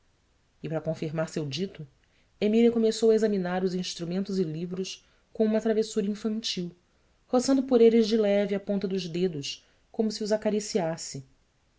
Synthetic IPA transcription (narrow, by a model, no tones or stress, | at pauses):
ɪpɾɐkõfiɾmaɾsewd͡ʒit̪ʊ | emiliɐkomesowɐezɐminaɾuzĩʃt̪ɾumẽnt̪ʊzɪlivɾʊs | kõũmɐt̪ɾavesuɾɐĩfɐ̃nt͡ʃiw | hosɐ̃nd̪ʊpoɾelɪzd͡ʒɪlɛviapõnt̪ɐd̪ʊzd̪ed̪ʊs | kõmʊsiuzakaɾisiasɪ